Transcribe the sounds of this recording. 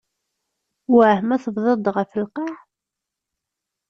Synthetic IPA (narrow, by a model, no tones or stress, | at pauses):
whmæθəvðˤəd̪ʁəfəlqɑʕ